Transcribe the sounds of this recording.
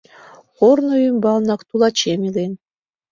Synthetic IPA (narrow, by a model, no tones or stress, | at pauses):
χoɾnojymbɑlˠnɑkt̪ulˠɑt͡ɕemilen